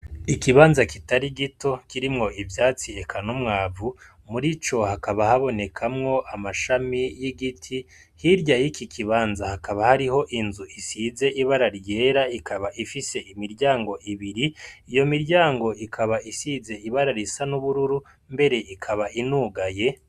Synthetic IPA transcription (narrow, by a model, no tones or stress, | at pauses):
ikiβaːnzakitaɾiɡito̞kiɾimŋo̞ʔivjaːt͡siekʰanomŋaːvu | muɾit͡ʃo̞hakaβahaβo̞ne̞kʰamŋo̞ʔamaʃamijiɡitʰi | hiɾɟajikikʰiβaːnzahakaβahaɾiho̞ʔinzuʔisize̞ʔiβaɾaɾje̞ːɾaikʰaβaʔifise̞ʔimiɾɟaːŋɡo̞ʔiβiɾiijo̞miɾɟaːŋɡo̞ikʰaβaisize̞iβaɾaɾisanuβuɾuɾu | mbe̞ɾe̞ʔikʰaβaʔinuːɡaje̞